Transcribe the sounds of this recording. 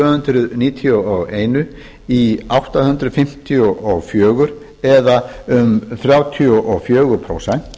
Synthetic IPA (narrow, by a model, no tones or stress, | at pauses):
hʏnt̪ɾʏðniːt̪ʰiuɔɣeːjnʏ | iawht̪ahʏnt̪ɾʏðfɪm̥t̪ʰiuʔɔɣfjœːɣʏɾ̥ | ɛðaʏmθɾjaːwt̪ʰiɔʔɔɣfjœːɣʏɾpʰɾo̰wsɛn̥t̪